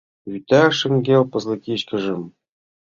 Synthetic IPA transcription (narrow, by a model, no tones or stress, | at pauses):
jyt̪æʂɘ̆ŋɡʲelpɤ̆zlɤ̆kʲiɕkɘ̆ʒɘ̆m